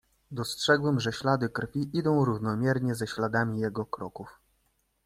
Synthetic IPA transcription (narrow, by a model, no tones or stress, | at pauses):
d̪ɔstʂɛɡwɛmʐɛɕlad̪ɘkɾfʲiʔid̪ɔ̃w̃ɾuvnɔmʲjɛɾɲɛzɛɕlad̪amʲijɛɡɔkɾɔkuf